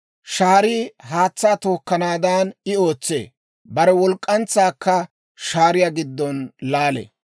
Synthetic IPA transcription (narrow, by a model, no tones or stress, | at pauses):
ʃaːɾiːɦaːt͡sːaːt̪oːkːɐnaːd̪anɪo̞ːt͡sːḛː | bɐɾɛwɔlkʼːɐnt͡sːaːkːɐ | ʃaːɾɪjaɡɪd̪ːɔnlaːlḛ